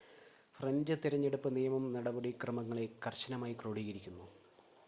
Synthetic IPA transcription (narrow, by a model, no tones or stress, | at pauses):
frɐnd͡ʑɨt̪iɾɐɲːe̞ɽupːɨnijɐmɐmnɐɽɐbɐɽikrɐmɐŋːɐɭekɐrɕɐnɐmaːjikroːɽiːɣɐɾikʲːunːu